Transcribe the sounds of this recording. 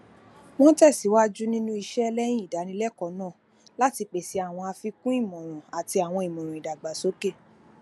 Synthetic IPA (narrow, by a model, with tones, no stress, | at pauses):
w̃ɔ̃˦tɛ˦˨si˨˦wa˦d͡ʒu˦nĩ˦nũ˦i˧ʃɛ˦ɛ˧lɛ˦j̃ĩ˦i˦˨da˨˦nĩ˧˦lɛ˦kɔ˨˦nãː˦˨ | la˦ti˧k͡pe˨si˨˦a˦˨w̃ɔ̃˧a˧fi˧kũ˦i˦˨mɔ̃˨ɾ̃ɔ̃˨a˨ti˧a˨w̃ɔ̃˧i˨mɔ̃˨ɾ̃ɔ̃˨i˨da˨ɡ͡ba˨so˨˦ke˦˨